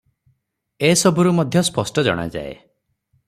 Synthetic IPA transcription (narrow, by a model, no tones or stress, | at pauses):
esɔbuɾumɔd̪ʱjɔspɔsʈɔd͡ʒɔ̰ɽ̃a̰d͡ʒa̰ḛ